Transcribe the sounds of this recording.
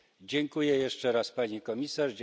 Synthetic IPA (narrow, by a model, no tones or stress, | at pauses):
d͡ʑɛŋkujɛjɛʂt͡ʂɛɾaspaɲikɔmʲisaʐ